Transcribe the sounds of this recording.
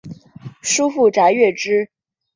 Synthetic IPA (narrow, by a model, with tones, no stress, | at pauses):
ʂu˥fu˥˩ʈ͡ʂa˧˥ɪɥɛ˥˩ʈ͡ʂɻ̩˥